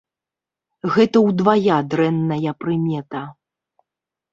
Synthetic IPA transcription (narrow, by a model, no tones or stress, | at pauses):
ɣɛt̪ɐwd̪vajad̪ɾɛnːɐjɐpɾɨmʲɛt̪ɐ